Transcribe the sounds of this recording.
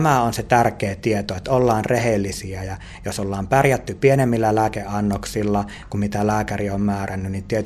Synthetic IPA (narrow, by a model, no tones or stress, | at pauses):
mæonset̪ærkeːt̪iet̪oet̪ːolːɑːnrehelːisiæjɑ | josolːɑːmpærjæt̪ːypienemːilːælæːkeʔɑnːoksilːɑ | kummit̪ælæːkæriommæːrænːynnint̪iet̪